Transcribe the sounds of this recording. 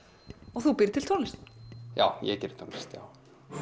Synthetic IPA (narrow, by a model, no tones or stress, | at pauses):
ɔɣθupɪɾt̪ʰɪlt̪ʰownɪst̪ja̰ːwjɛ̰cɛɾɪ̥t̪ʰonɪ̥st̪ja̰w